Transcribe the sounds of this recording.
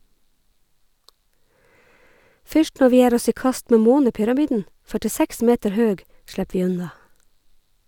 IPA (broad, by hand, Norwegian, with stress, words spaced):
ˈfʏʃt ˈnɔɹ ˈʋiː ˈjeːɾ ˈɔs ˈiː ˈkɑst ˈmeː ˈmoːnəpʏɾɑˌmiːdn̩ fœʈɪˈsæks ˈmeːtəɹ ˈhøːɡ ˈʃɽæp ˈʋiː ˈʉnɑ